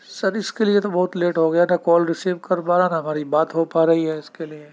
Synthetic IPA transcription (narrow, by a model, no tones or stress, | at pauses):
sɐɾɪskeliet̪obɐɦʊt̪leːʈɦoɡɐjanɐkɔːlɾɪsiːʋkɐɾpaːɾanɐɦɐmaːɾibaːt̪ɦopaːɾɐɦiɦɛɪskelie